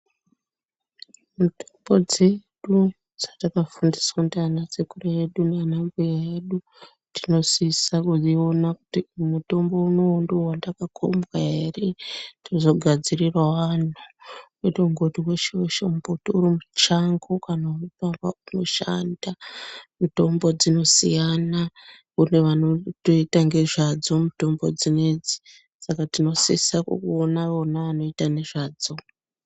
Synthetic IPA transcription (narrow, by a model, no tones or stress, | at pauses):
mutombo̞d͡ze̞ɗu | d͡zatakafundiswatianat͡sekuraeɗunanambujaeɗu | tino̞sisakuzio̞naku̥timuto̞mbo̞uno̞ːnduwandakakʰombɣae̞retiozo̞ɡʱad͡zirirwaʋan̤u | etoŋɡotiweʃoʃombotiuɾimut͡ʃaŋɡokanauipamuʃandamito̞mbo̞d͡zino̞sijana | une̞ʋanotoitaŋɡe̞ʐad͡zo̞mito̞mbo̞d͡zined͡zi̥ | sakatino̞sisakṵkuonaʋonaanoitane̞ʐaːd͡zo̞